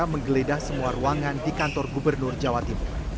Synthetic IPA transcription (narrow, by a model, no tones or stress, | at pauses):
aməŋɡəledahsəmuaruaŋandikant̪ɔrɡubərnʊrd͡ʒawat̪imʊr